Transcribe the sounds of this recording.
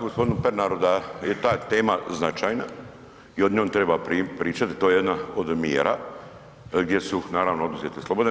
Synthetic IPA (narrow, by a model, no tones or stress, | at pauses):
ɡospo̞d̪inupeɾnaɾod̪ajet̪aːt̪eːmaznat͡ʃajna | io̞d̪ɲoːnt̪ɾe̞bapɾipɾiːt͡ʃat̪i̥t̪ojeed̪naod̪mjeːɾʔa̰ | ɡd̪jesunaːɾaʋnoo̞d̪uzjet̪eslˠobod̪